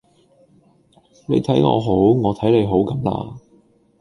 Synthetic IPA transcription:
ne˨˧jt̪ʰɐ˨˥jŋɔ̰ː˨˧ɦo˨˥wŋɔː˨˧t̪ʰɐ˨˥jle˨˧jɦo˨˥wkɐ˨˥mla̰ː˧

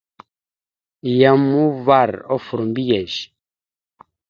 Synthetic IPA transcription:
ja˨mu˦va˦˨ɾɔ˦fu˨ɾu˨mbi˦jɛ˨ʒ

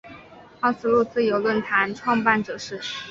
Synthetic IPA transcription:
ɑ˥˩ʊsɹ̩˥˧lu˥˧t͡sɹ̩˥˧jo˧˥ʊlwə˥˩nt̪ʰa˧˥nʈ͡ʂʰwɑ˥˧ŋpa˥˩nʈ͡ʂɤ˨˩ʂɻ̩˥˩

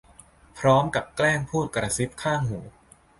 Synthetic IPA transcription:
pʰɾɔː˦˥mka˨˩p̚klɛː˥˩ŋpʰuː˥˩t̪̚kɾa˧si˦˥p̚kʰaː˥˩ŋɦuː˩˦

